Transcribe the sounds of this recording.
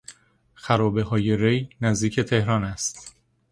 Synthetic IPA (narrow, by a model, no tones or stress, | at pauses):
xæɾɒːbe̞ɦɒːje̞ɾejnæzd̪iːcʰe̞t̪ʰe̞hɾɒːnæst̪